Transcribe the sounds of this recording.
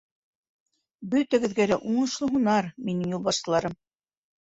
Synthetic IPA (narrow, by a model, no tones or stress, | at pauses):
bɵ̆t̪æɡɘ̆ðɡælæʔuɴɤ̆ʃlˠɤɦunɑɾminɘŋjulˠbɑʃt̪ɤ̆lˠɑɾɤm